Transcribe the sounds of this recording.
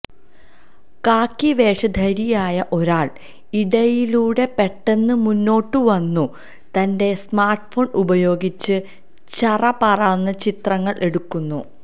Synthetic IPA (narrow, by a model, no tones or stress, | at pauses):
kaːkːiʋe̞ːʂɐd̪ʱɐɾijaːjɐʔo̞ɾaːɭ | iɽɐjiluːɽe̞pe̞ʈːe̞nːɨmunːo̞ːʈːɨʋɐnːu | t̪ɐnde̞smaːrʈfo̞ːɳubɐjo̞ːɡit͡ɕːɨ | t͡ɕɐrɐpɐrɐnːɐt͡ɕit̪rɐŋːɐɭʔe̞ɽukːunːu